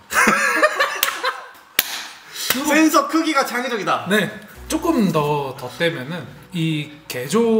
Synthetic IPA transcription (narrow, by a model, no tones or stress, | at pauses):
kɯens̬ʰʌkʰɯɡiɡat͡ɕaŋed͡ʑʌɡidane̞t͡ɕ͈ok͈ɯmtʌtʌt͈e̞mjʌnɯn | ike̞d͡ʑo